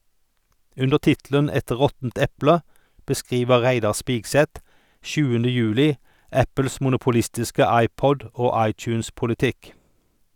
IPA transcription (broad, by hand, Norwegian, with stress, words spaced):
ˈʉndəʁ ˈtɪtlən ˈɛt ˈʁɔtn̩t ˈɛplə bəˈskʁiːʋə ˈʁæɪdɑʁ ˈspiːɡsɛt ˈʃʉːəndə ˈjʉːlɪ ˈæpl̩s ˌmʊnʊpʊˈlɪstɪskə ˈɑɪˌpɔd ə ˈoː ˈɑɪˌt͡ʃʉːnspʊlɪˌtɪk